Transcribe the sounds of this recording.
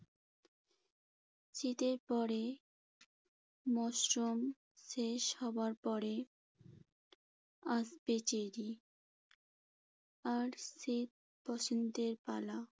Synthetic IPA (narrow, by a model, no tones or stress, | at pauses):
sit̪eɾpɔɾe | mɔsɾom | ʃeʃhɔbaɾpɔɽe | asbet͡ɕeɾi | aɾsit̪̚ | bɔsind̪eɾpala